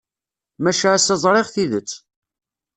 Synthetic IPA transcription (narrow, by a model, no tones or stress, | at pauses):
mæʃasæzˤɾˤeʁθiðət͡sː